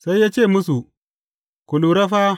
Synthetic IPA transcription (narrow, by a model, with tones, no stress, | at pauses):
sa˦i˦ja˦t͡ʃe˦˨mu˦s̬u˨ | ku˨lu˨ɾa˦fa˦